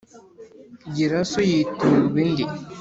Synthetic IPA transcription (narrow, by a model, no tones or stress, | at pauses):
ɟiɾasojituβindi